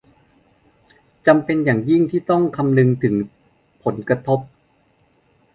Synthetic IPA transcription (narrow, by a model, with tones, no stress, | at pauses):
t͡ɕa˧mpe˧njaː˨˩ŋji˥˩ŋt̪ʰiː˥˩t̪ɔ˥˩ŋkʰa˧mnɯ˧ŋt̪ʰɯ˩˦ŋ | pʰo˩˦nka˧t̪ʰo˦˥p̚